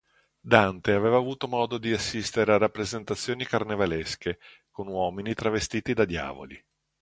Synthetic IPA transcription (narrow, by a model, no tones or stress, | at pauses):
d̪ant̪eaveːvaːvuːt̪omɔːd̪od̪iasːist̪eɾearapːɾezent̪at̪sːjoːnikarnevaleske | konwɔːminit̪ɾavest̪iːt̪id̪ad̪ja̰ːvo̰li